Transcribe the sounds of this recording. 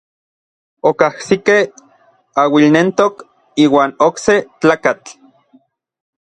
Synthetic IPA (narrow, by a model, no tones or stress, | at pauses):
okahsikeh | awilnent̪ok | iːwaːnokset͡ɬaːkat͡ɬ